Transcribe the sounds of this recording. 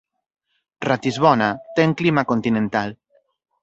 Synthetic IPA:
rat̪izβɔnat̪eŋklimakont̪inẽnt̪al

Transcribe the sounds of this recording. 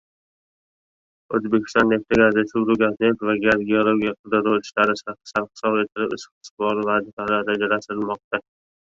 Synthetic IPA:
ɵzbekʲɪ̥st̪ɒnːeft̪ʰɪɡʲaɾd̪asuɡɾuɡʲat̪net̪vaɡʲaɾɡʲeolˠoɡʲijaqʰɨd̪ɨɾowɪʃlaɾɪsḁsaɾχɪ̥sɒbet̪ʰɪlɪbɪ̰sqsbɒɾɪvad̪ɪfalaɾad͡ʒaɾasɪɪlmɒq̚t̪a

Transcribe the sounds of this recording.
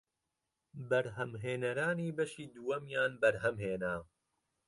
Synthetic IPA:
bɐɾɦɐmɦeːnɐɾaːniːbɐʃiːd̪uwɐmjaːnbɐɾhɐmɦeːnaː

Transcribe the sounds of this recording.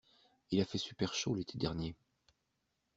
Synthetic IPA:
ilafɛsypɛʁʃolet̪ʰed̪ɛʁnje

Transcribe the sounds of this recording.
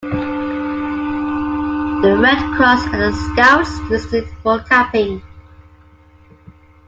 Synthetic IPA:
ðəɹɛdkʰɹ̥ɔsə̃nəskaʊslɪstɪdfɔkʰapɪ̃ŋ

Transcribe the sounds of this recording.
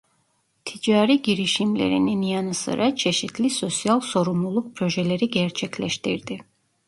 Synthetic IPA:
t̪ʰid͡ʒaːɾiɟiɾiʃimlʲḛɾḭninjanɯsɯ̰ɾʔat͡ʃʰe̞ʃit̪ʰlʲiso̞sjalˠso̞ɾumlˠulˠuk̚pʰɾo̞ʒɛlʲeɾiɟɛɾt͡ʃʰɛcʰlʲɛʃt̪iɾd̪i

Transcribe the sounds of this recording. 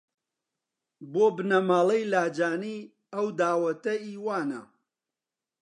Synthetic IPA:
boːbɨnɐmaːlˠɐjlaːd͡ʒaːniː | ɐwd̪aːwɐt̪ɐiːwaːnɐ̰

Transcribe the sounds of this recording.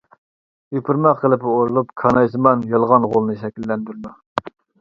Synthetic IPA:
jypʰuɾmɑqqʰːəlˠɪpoɾulˠupkʰɑnɑjsɨmɑnjɑlˠʁɑnʁolˠnɨʃɛkʲilːɛnd̪yɾd̪u

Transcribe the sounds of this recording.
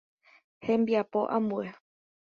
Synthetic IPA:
hẽ̞mbiapo̞ʔã̰mbue

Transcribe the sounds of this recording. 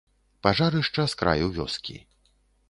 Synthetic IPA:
paʐaɾɨʂt͡ʂɐskɾʔa̰juvʲɔ̰skʲḭ

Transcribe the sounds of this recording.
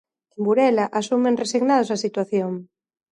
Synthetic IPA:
embuɾɛlaʔasumẽnresiɣnaðʊsasit̪waθjoŋ

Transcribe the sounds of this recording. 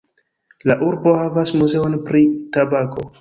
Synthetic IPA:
laʔuɾbo̞havasmuze̞onpɾitabako̞

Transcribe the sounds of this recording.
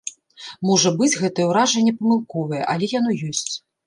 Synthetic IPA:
mɔʐɐbɨd͡zʲɣɛt̪ɐjɛwɾaʐɐnʲːɛpɐmɨlˠkɔvɐjɛ̰ʔɐlʲɛjanɔjɔsʲt͡sʲ

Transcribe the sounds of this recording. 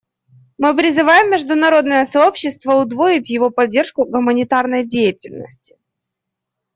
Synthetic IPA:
mɨpɾʲɪzɨvajɪmːʲɪʐd̪ʊnɐɾo̞d̪nəjəsɐopɕːɪst̪vəʊd̪voɪtʲjɪvo̞pɐdʲːe̞rʂkʊɡʊmənʲɪt̪arnəjdʲejɪtʲɪlʲnə̰sʲtʲɪ̥

